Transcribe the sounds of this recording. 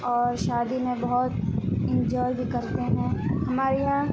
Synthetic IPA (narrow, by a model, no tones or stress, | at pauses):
ɔːɾʃaːd̪imẽbɐɦʊt̪ɪ̃ɲd͡ʒɔːɾbʱikɐɾt̪eɦɛ̃ɦɐmaːɾeɦã